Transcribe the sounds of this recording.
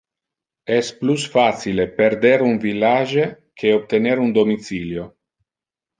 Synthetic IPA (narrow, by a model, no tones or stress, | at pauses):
ɛsplusfat̪silepeɾd̪eɾunvilːaʒe | kʰeop̚t̪eneɾund̪omit̪siːljo